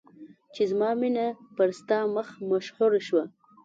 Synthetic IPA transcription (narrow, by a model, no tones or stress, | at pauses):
t͡ʃezmɑminapəɾst̪ɑməxmaʃhuɾaʃwa